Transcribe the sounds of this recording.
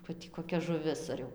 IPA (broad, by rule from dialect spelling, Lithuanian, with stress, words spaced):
ʋɐ ˈtʲiː koːˈkʲɛ ʒʊˈʋʲɪs ɐr ˈjɛʊ